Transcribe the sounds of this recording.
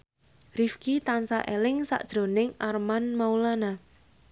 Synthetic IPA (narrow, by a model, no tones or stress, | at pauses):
rifkit̪ansa̰ʔelɪŋsa̰ʔd̥ʒ̥ɾo̤nɪŋʔarmanmaulana